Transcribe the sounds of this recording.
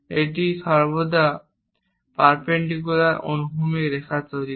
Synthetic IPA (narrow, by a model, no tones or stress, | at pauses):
eʈiʃɔɾbod̪ʱa | paɾpeɳɖik̬ulaɾo̰nuɦumeɾɛkʰat͡ɕoɾi